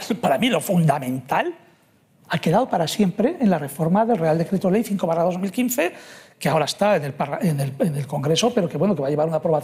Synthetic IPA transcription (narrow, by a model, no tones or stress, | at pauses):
paɾamilo̞fund̪amẽ̞nt̪al | ake̞ðaðopaɾasjempɾe̞ʔːnlare̞fo̞ɾmaðe̞lre̞ald̪e̞kɾe̞t̪olejθiŋko̞βaraðo̞zmilkinθe̞keao̞ɾaest̪aenelpaaenelenelko̞ŋɡɾe̞so̞pe̞ɾo̞ke̞βwe̞no̞ke̞βaʎe̞βaɾunapɾoβaθ